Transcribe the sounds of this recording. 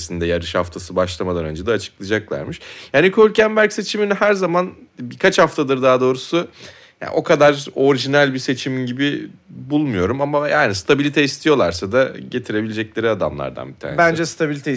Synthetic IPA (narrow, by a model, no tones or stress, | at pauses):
sind̪ɛjaɾɯʃhaft̪ʰasɯbaʃlˠamad̪ˠanø̞nd͡ʒɛd̪ɛːt͡ʃʰɯ̥klˠad͡ʒaklˠa̰ɾmɯʃjaːnikʰolʲcænbæɾcse̞t͡ʃʰiminiɦæɾzamanbiɾkʰat͡ʃhaft̪ʰad̪ˠɯɾd̪aːd̪o̞ːɾusu | ja̰ːʔo̞kʰad̪aɾo̞ɾiʒinælʲbise̞t͡ʃʰiminɟibibulˠmujo̞ɾumamajaːnist̪ʰabilʲit̪ʰɛist̪ʰijo̞lˠaɾsad̪aɟe̞t̪ʰiɾe̞bilʲed͡ʒɛclʲe̞ɾiad̪a̰mlˠa̰ɾd̪a̰nbit̪ʰa̰ːebænd͡ʒɛst̪ʰabilʲit̪ʰɛ